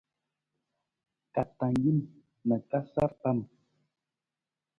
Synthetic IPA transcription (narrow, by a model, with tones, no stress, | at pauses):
ka˨ta˨ŋɡi˦˨mː | ə˨ka˦sa˦ɾpa˦˨m